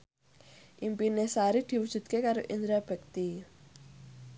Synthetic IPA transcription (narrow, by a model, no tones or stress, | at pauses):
ʔimpinesaɾid̪̥i̤wud̥ʒ̥ṳt̪̚kekaɾoʔind̪ɾab̥ə̤k̚t̪i